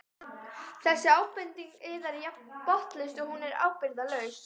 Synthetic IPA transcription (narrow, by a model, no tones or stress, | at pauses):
θɛsːɪaːwpɪnt̪iŋkɪːðaɾjapɔht̪lɪst̪ʏhunɛɾa̰ːwpɪɾðalœːɥs